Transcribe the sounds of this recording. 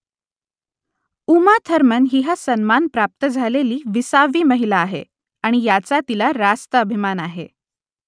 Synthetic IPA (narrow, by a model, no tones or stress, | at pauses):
umat̪ʰəɾmənɦiɦasənmanpɾap̚t̪əd͡zʱaleliːʋisaʋiːməɦilaːɦḛ | aɽ̃ijat͡sat̪ilaɾast̪əəbʱimanaɦḛ